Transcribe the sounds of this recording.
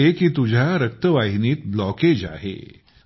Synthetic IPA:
ekiːt̪ud͡ʑʱjaɾək̚t̪əʋaɦiniːt̪blɔked͡ʑa̰ɦḛ

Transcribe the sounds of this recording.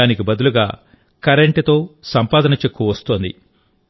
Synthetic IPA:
aːnikibɐd̪uluɡa̰ː | kɐɾeɳʈit̪o̞ːsɐmpaːd̪ɐnɐt͡ʃe̞kːuʋɐst̪oːnd̪ḭ

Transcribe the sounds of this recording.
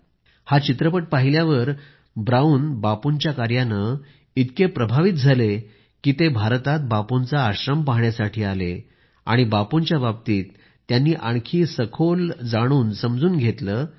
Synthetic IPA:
hat͡ɕit̪ɾəpəʈ̚paɦiljaʋəɾ | bɾauːnbapunt͡ɕjakaɾjanə | it̪kepɾəbʱaʋit̪̚d͡zʱale | kiːt̪ebʱaɾt̪at̪̚bapont͡saːɕɾəmpaɦɳjasaʈʰiːalḛ | a̰ɽ̃ibapunt͡ɕjabab̚t̪iːt̪ː | janːiːʔaɳ̃kʰiːsəkʰold͡zaɽ̃uːnsəmd͡zuːnɡʱet̪ləː

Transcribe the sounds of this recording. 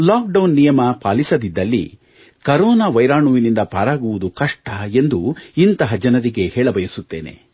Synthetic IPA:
laːk̚ɖɐwnːijɐmɐpaːlisɐd̪id̪ːɐlːḭ | kɐɾɔːnaʋɐjɾaːɳuʋinind̪ɐpaːɾaːɡuʋud̪ukɐʂʈʰɐe̞nd̪uint̪ɐɦɐd͡ʒɐnɐɾiɡe̞heːɭɐbɐjɐsut̪ːe̞̰ːne̞̰

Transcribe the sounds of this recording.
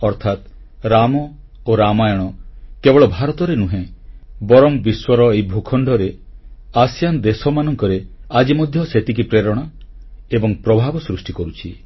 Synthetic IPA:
ɔɾt̪ʰat̪ | ɾamɔ | oɾamajɔɽ̃ɔkebɔɭɔbʱaɾɔt̪ɔɾenuɦẽbɔɾɔmbiswɔɾɔejbʱukʰɔɳɖʱɔɾeasijand̪esɔmanɔŋkɔɾead͡ʒimɔd̪ʱjɔset̪ik̬ipɾeɾɔɽ̃aebɔŋpɾɔbʱabɔsɾusʈikɔɾut͡ʃʰi

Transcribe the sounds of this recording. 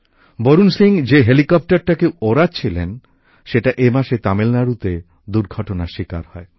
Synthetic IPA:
boɾunsliŋd͡ʑeɦelikɔp̚ʈaɾʈakewoɾat͡ɕʰilen | ʃeʈaʔemaʃet̪amelnaɾut̪e | d̪uɾɡʱɔʈonaʃika̰ɾhɔe

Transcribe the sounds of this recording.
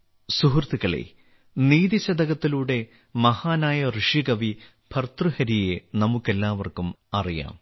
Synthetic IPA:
suɦurt̪iɣɐɭḛ | niːðiɕɐd̪ɐɣɐt̪ːiluːɽe̞ | mɐhaːnaːjɐrɨʂiɡɐʋi | pʰɐrt̪ruhɐɾijenɐmukːe̞lːaːʋɐrkum | ɐrija̰ːm

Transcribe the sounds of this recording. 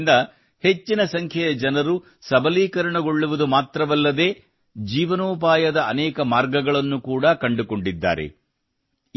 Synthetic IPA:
nd̪ɐ | he̞t͡ʃːinɐsɐŋkʰjɛjɐd͡ʒɐnɐɾu | sɐbɐliːkɐɾɐɳɐɡo̞ɭːuʋud̪umaːt̪ɾɐʋɐlːɐd̪e̞ː | d͡ʒiːʋɐnoːp̬aːjɐd̪ɐɐnɛːkɐmaːɾɡɐɡɐɭɐnːukuːɽɐkɐɳɖuko̞ɳɖid̪ːa̰ːɾe̞̰

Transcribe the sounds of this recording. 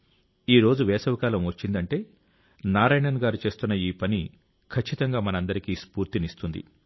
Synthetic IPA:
iːɾo̞ːd͡ʒuʋɛːsɐʋikaːlɐmʋɐt͡ʃːind̪ɐɳʈe̞ː | naːɾaːjnɐnɡaːɾut͡ʃe̞ːst̪unːɐiːpɐni | kʰɐt͡ʃːit̪ɐŋɡaːmɐnɐnd̪ɐɾikispuːɾt̪inist̪und̪ḭ

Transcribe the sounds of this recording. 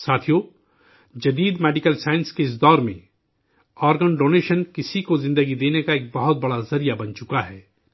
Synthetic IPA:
saːt̪ʰijo | d͡ʒɐd̪iːd̪mɛːɖɪkəlsaːɪ̃nskeɪs̬d̪ɔːɾmḛ̃ | ɔːɾɡənɖoːneːʃənkɪsikozɪ̃nd̪əɡid̪eːnekaeːk̚bɐɦʊt̪̚bɐɽazɐɾijabɐnt͡ʃʊkaɦɛː

